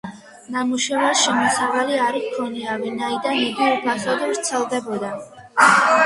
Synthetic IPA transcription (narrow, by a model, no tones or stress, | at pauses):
namuʃɛvaɾʃɛmɔsavaliaɾikʰɔniavinaid̪aniɡiupʰaχɔd̪vɾt̪sʰɛlˠd̪ɛbɔd̪a